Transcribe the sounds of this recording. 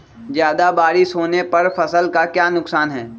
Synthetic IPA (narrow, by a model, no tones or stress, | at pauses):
zjaːd̪abaːɾɪʃɦoːnepɐɾfɐsəlkakjaːnʊksaːnɦɛː